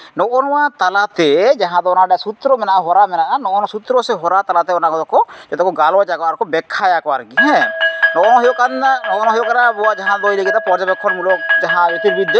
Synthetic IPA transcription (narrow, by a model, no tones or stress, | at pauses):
nɔʔɔnɔwat̪alat̪ɛd͡ʒaɦãd̪ɔɔnaɖɛsut̪ɾɔmɛnaʔaɦɔɾamɛnaʔanɔʔɔnɔsut̪ɾɔsɛɦɔɾat̪alat̪ɛɔnakɔd̪ɔkɔd͡ʒɛt̪ɔkɔɡalɔat͡ʃakɔaɾkɔbɛkʰːajakɔa̰ɾɡiɦɛ̃nɔʔɔnɔɦɛjɔkananɔʔɔnɔɦɔjɔkaɾabɔwad͡ʒaɦãd̪ɔjləɡit̪apɔɾd͡ʒabɛkʰːɔnmulɔk̚d͡ʒaɦãet̪iɾbid̪ːɛ